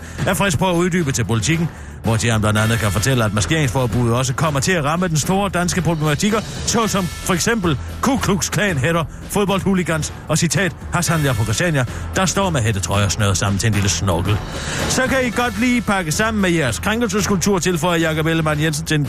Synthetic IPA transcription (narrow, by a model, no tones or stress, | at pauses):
æɐfʁɛspʰɔæuð̞ˠdy̰ːb̥ət͡sʰe̝lpʰo̝lit͡sʰiɡ̥n̩ | ʋɒd̥iænb̥lænd̥ænð̩ˠkʰæfɒ̽t͡sʰel̰əæd̥̚mɑɐske̝ɐ̰eŋsfɒːb̥uð̞ˠɒ̽s̬əkʰɒ̽m̰ɐt͡sʰe̝æʁɑ̈məd̥ensd̥o̝ːɐd̥ænsɡ̥əpʰʁoblemæt͡sʰiɡ̥ɐsɒ̽sɒ̽mfɒ̽eɡ̥sem̰b̥l̩ | kʰukʰluɡ̥skʰlɛ̰ːnɦeɾɐ | foðb̥ɒ̽l̰d̥huliɡ̥æns | ɒ̽sit͡sʰɛ̰ːd̥hɑ̈sɑmn̩jɑpʰɒ̽ɡ̥ʁisɛ̰njæd̥ɑ̈sd̥ɒ̰ːmeɦed̥ət͡sʰʁɒɪɐsnːðˠsɑ̈m̰n̩t͡sʰe̝enliləsnɔɡ̥l̩ | sɒ̽kʰæiɡ̥ɒ̽d̥liːpʰɑ̈ɡ̥əsɑ̈m̰n̩mejæɐskʰʁaŋɡ̥l̩səskʰulb̚t͡sʰuɐ̰t͡sʰe̝lfɒɪɐjɑ̈kɒ̽b̥eləmænjens̬ən̩t͡sʰe̝